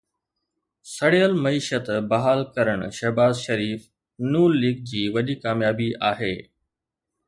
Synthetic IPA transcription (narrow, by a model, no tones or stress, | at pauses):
sɐɽeəlmɐiːʃət̪bɐɦaːlkɐɾəɽ̃ʃɐɦbaːzʃɐɾiːf | nuːɾliːɡ̚d͡ʑiːʋɐɗikaːmjaːbiʔaːɦeː